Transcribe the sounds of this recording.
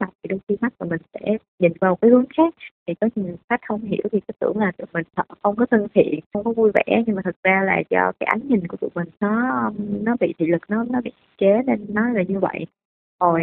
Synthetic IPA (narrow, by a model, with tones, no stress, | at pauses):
la˨˩w̚t̪ḭ˨˩ɗə˧xi˧ma˦˥t̚maː˨˩mï˨˩ŋ̟sɛ̰˧˥ | ɲï˨˩nvaː˨˩mo˨˩kaː˨˦jhɨ˨˦əŋxaː˦˥k̚t̪ʰi˨˩kɔ˨˦ɲɨ˧˩˨xa˦˥k̚hə˧wŋ͡mɦḭ˧˩əwt̪ʰi˨˩kaː˨˦t̪ɨ̰˧˩əŋlaː˨˩t̪ɨ̰˨˧˩mï˨˩ŋ̟t̪ʰə˧˨˩xə˧wŋ͡mkɔ˨˦t̪ʰə˧ŋt̪ʰḭ˧˨ənxə˧wŋ͡mkɔ˨˦vu˧jvɛ̰˧˥˨ɲɨ˧ŋmaː˨˩t̪ʰɨ˨˩k̚zaː˧la̰ː˨˩t͡ɕɔ˧kaː˨˦jʔa˨˦jŋɲï˨˩ŋ̟ku˧˩ət͡ɕ̪ṵ˧˩mï˨˩ŋ̟nɔ˨˦˧nɔ˨˦ɓḭ˧˨t̪ʰḭ˧˨lɨ˨˩k̚nɔ˨˦nɔ˨˦ɓḭ˧˨i˧˥t͡ɕe˨˦ne˧nːɔ˨˦zaː˨˩ɲɨ˧və̰˧˨j | o˨˩j